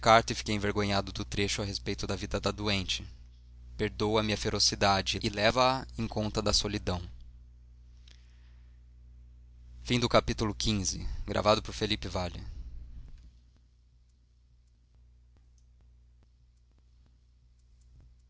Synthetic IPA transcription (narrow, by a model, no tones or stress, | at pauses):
kaɾt̪ʊɪfi̥kejẽveɾɡõɲad̪ʊd̪ʊt̪ɾeʃʊɐɦespejt̪ʊd̪ɐvid̪ɐd̪ɐd̪uẽnt͡ʃɪ | peɾd̪owɐmiɐfeɾʔosid̪ad͡ʒɪɪlɛvɐɐẽkõnt̪ɐd̪ɐsolid̪ɐ̃w̃ | fĩd̪ʊkapit̪ulʊkʰĩzɪɡɾʔa̰vad̪ʊpoɾfelipɪvalɪ̰